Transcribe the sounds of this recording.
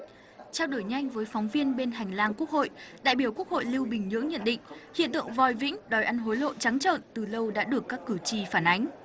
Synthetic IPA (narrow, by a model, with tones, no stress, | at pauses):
t͡ɕɛ˧wɗo˧˩jɲa˧jŋ̟vəː˨˦jfɔ˨˦wŋ͡mvi˧ənɓe˧nɦa˨˩jŋ̟laː˧ŋku˦˥ək̚ho̰˧˨jɗa̰ː˧˨jɓi˧˩əwku˦˥k̚ho̰˧˨jli˧wɓï˨˩ŋ̟ɲɨ̰˧˥əŋɲə̰˧˨nɗḭ̈˧˨ŋ̟hḭ˧˨ənt̪ɨ̰˧˨ə˨ŋvɔ˨˩jvḭ̈˧˥ŋ̟ɗɔ˨˩jʔa˧nɦo˨˦jlo̰˧˨t͡ɕa˨˦ŋt͡ɕə̰ː˧˨nt̪ɨ˨˩lə˧wɗa̰ː˧˥ɗɨ˨˩əkːaː˦˥kːɨ˧˩t͡ɕi˧˩faː˧˩nʔa˨˦ŋ̟